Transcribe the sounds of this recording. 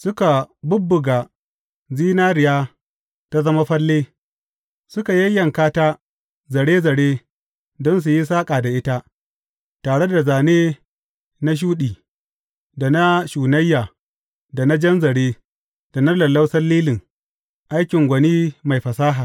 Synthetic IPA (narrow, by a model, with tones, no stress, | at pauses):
sʊ˦ka˨bʊ˦bːʊ˨ɡaː˨ | ziː˦naː˦ɾɪ˨jaː˦ | ta˦zɐ˦ma˦ɸɐ˦lːeː˦ | sʊ˦ka˨jɐ˦jːɐ˨ŋkaː˦taː˦ | zɐ˨ɽeː˦zɐ˨ɽeː˦ | dɔ˦ns̬u˨ji˦s̬aː˦kʼaː˨da˨ʔɪ˦ta˦ʔ | taː˨ɽe˦da˨zaː˨neː˦ | na˦ʃ̬uː˦ɗiː˨ | da˨na˦ʃuː˨nɐ˦jːaː˨ | da˨na˦d͡ʒɐ˦nzɐ˨ɽeː˦ | d̥a˨na˦lɐ˨lːa˦wsɐ˦rlːiː˦lɪ˨ŋ | ʔa˦jkʲɪ˨ŋɡʷɐ˨niː˦ma˨jɸɐ˨saː˦ɦaː˨